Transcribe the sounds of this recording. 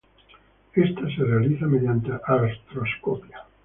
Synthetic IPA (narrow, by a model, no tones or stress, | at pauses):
est̪aserealiθameðjant̪eʔaɾast̪ɾoskopia